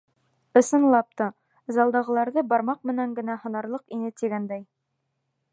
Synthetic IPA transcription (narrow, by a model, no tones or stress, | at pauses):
ɤ̆sɤ̆nlˠɑp̚t̪ɤ | zɑlˠd̪ɑʁɤ̆lˠɑɾðɤbɑɾmɑq̚mɘ̆næŋɡɘ̆næhɤ̆nɑɾlˠɤqinɘt̪iɡænd̪æj